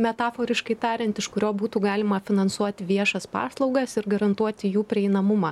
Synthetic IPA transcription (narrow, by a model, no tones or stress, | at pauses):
mʲɛt̪ɑːfoːɾʲɪʃkɐɪt̪ɑːɾʲɛnt̪ɪʃkʊɾʲoːbuːt̪uːɡɑːlʲɪmɐfʲɪnɐnsuɔt̪ʲɪʋʲiɛʃɐspɑ̰ːslˠɒʊɡɐsɪɾɡɐɾɐnt̪uɔt̪ʲɪjuːpʲɾʲɪɛɪnɐmʊmɑː